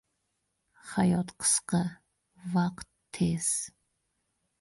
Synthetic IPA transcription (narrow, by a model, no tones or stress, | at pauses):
χajɔt̪qʰə̥sqə | vaqtʰːez̥